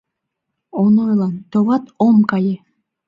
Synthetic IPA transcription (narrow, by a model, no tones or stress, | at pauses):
onojlˠɑnt̪oβat̪omkajɪ